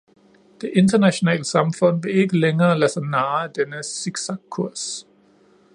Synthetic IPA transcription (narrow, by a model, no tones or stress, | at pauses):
d̥e̝ʔe̝ndʰɐnæɕo̝nɛ̰ːləsɑ̈mfɔ̽n̰ʋ̥e̝e̝ɡ̥əleŋɐːlæsɐnɑ̈ːæd̥enəsiɡ̥sɑkʰːuɐ̰s